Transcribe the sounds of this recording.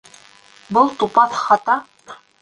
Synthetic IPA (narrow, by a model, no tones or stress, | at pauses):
bɤlˠt̪upɑθχɑt̪ɑ